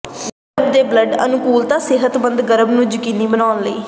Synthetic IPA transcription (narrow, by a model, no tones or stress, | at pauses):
ɡəəɾbd̪eːbləɖə̰nʊkuːlt̪ãːsɪɦət̪bənd̪ɡəɾəbnũːd͡ʒkiniːbənaːnləḭː